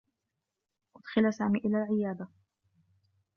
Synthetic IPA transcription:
ʔʊd̪xɪlasaːmiːʔɪlaːlʕɪjaːd̪a

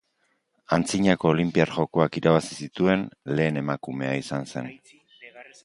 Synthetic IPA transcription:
ant͡siɲako̞ːlimpiaɾʝo̞ko̞akiɾaβasi̥sit̪ue̞nle̞ːne̞makume̞aisanse̞n

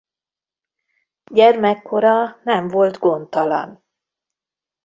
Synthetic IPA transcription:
ɟɛrmɛkːo̞ɾɒnɛɱvo̞lt̪ɡo̞nt̪ɒlɒ̰n

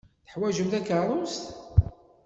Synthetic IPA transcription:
θə̥ħwæʒəmθækərˤʊst̪

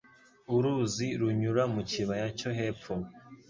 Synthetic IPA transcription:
uɾuziɾuɲuɾamuciβajaco̞ɦe̞ːpp͡fo

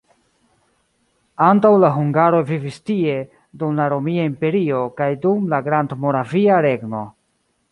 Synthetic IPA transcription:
antawlaɦuŋɡaɾo̞vivistie̞ | dumlaɾo̞miaimpe̞ɾio̞kajdumlaɡɾandmo̞ɾaviaɾe̞ɡno̞

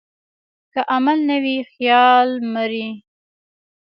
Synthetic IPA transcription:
kaʔamalnawixjɑlməɾi

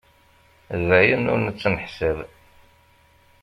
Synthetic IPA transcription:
væjənːʊ̰ɾnət͡sːnəħsəð

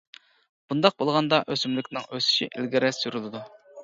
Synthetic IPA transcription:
b̥und̪ɑq̚bolˠʁɑnd̪ɑʔøsymlykʲnɪŋøsy̥ʃḭʔilɡʲiɾɛsyɾylˠɪd̪u

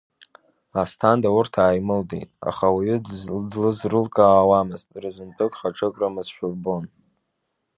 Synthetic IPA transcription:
astʰandaurtʰaːjmɨldḛjtʼa̰χawiɥʏdlɨzrɨlkʼaːwamɨztʼrɨzɨnpʼʰɨkʷʼχaʈ͡ʂʰʼɨkʷʼramɨzʃᶣʊlbo̞n

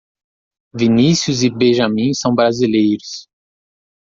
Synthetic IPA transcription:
vinisjuzɪbẽʒamĩsɐ̃w̃bɾazilejɾʊs

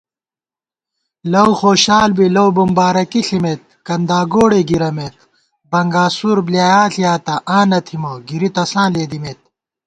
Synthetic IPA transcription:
lɐwxoːɕaːlbilɐwbumbaːɾɐkiɬimet̪̚kɐnd̪aːɡoːɽeɡiɾɐmet̪ | bɐŋɡaːsuɾblijaːjaːɬijaːt̪ɐʔaːnɐt̪ʰimoɡiɾit̪ɐsãːleːd̪imeːt̪̚

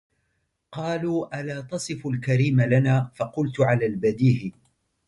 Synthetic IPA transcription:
qɑːluːʔalaːt̪ɑsˤɨfʊlkaɾiːmalanaːfɑqʊlt̪ʕalaːlbad̪iːhɪ

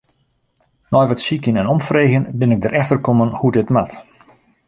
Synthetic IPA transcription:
nɔjʋatsikjənɛnɔmfreɣjənbɪnɪɡ̚dərʔɛxtərkomənhudɪtmat

